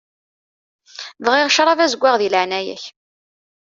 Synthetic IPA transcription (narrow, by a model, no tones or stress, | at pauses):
vʁiʁʃɾˤɑvæzəɡʷːaʁðiləʕnæjæ̰ç